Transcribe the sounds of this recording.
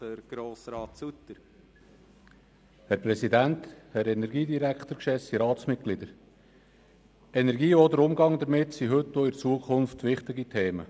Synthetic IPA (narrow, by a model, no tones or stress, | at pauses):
d̥əɾɡ̥ɾoːsɾɑːt̪sut̪əɾ | hæɾpɾɛsidænthɛɾɛnɛɾɡiːd̪iɾækt̪əɾkʃɛsiɾɑːsmɪt̚ɡ̥lɪd̥̪əɾ | ɛnɛɾɡiːɔd̪əɾʊmɡɑŋd̪əɾmɪtsiɦɵtːoɪɾt͡suəkʰʊnft̪ʋɪχt̪ɪɡitʰeːmə